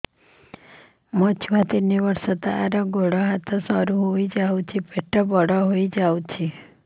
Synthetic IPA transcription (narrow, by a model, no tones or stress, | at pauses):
mɔt͡ʃʰuʋat̪iniʋəɾsɔt̪aaɾɔɡʱoɽɔɦat̪ʰɔsɔɾuɦoid͡ʒawt͡ʃʰipeʈɔbɔɽɔɦoid͡ʒawt͡ʃʰi